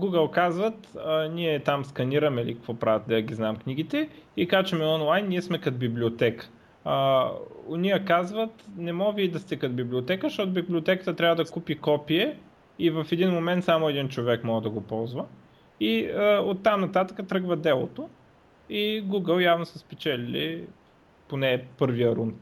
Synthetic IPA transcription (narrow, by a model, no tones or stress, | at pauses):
ɡuɡəlˠkazvət̪əniɛt̪amskɐniɾɐmɛlikɐkvɔpɾavət̪̚d̪ɛəɡʲiznamkniɡit̪ɛikat͡ʃɛmɛɔnlˠajnːiɛsmɛkɐt̪biblʲiot̪ɛkə̥ | əonʲijəkazvət̪nɛmɔviid̪ɐst̪ɛkɐt̪biblʲiot̪ɛkəʃt̪ɔt̪ʊbiblʲiot̪ɛkə̥t̪ət̪ɾʲavəd̪ɐkupikɔpiɛ | ivɐfɛd̪inmomɛnt̪samʊɛd̪int͡ʃovɛkmɔɡəd̪ɐɡopɔlˠzvə | iəot̪ːamnɐt̪at̪əkət̪ɾɤɡvɐd̪ɛlˠot̪o | iɡuɡəlˠjavnosəspɛt͡ʃɛlilḭ | ponɛːpɤɾvijəɾun